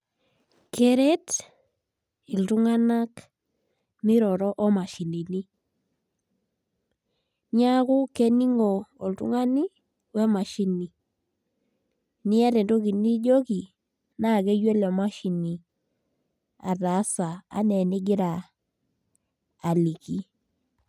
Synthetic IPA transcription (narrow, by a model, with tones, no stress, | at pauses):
ke˦ɾe˦t | i˨ltu˦ŋa˦na˦k | mi˦ɾɔ˨ɾɔ˦ʔɔ˦ma˨ʃi˨ni˨ni˦ | ɲa˦ɣu˦ke˦ni˦ŋoː˨ltṵ˦ŋa˦ni˦ | wɛ˦ma˨ʃi˦ni˨ | nɪ˦a˦ɾe˨ndo˦ɡi˨ni˦d͡ʒo˦ɡi˨ | na˦˨ɡɛ˦jwe˦lɔ˨ma˦ʃi˨ni˨ | a̰˨da˨˦sa˨a̰˦nɛ˨nɪ˦ɡɪ˦ɾa˨ | li˨ki˦